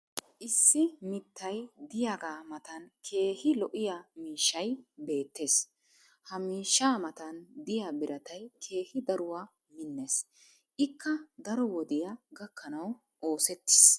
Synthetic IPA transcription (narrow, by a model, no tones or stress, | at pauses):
ʔɪsːɪmɪt̪ːɐjd̪ɪjaːɡaːmɐt̪ɐnkʰe̞ːhɪlɔʔɪjamiːʃːɐjbe̞ːt̪ːe̞ːs | hɐmiːʃːaːmɐt̪ɐnd̪ɪjabɪɾɐt̪ɐjkʰe̞ːhɪd̪ɐɾʊwaː | mɪnːes | ʔɪkʰːɐd̪ɐɾɔwɔd̪ɪjɐɡɐkːɐnɐw | ʔo̞ːsɛt̪ːɪ̥s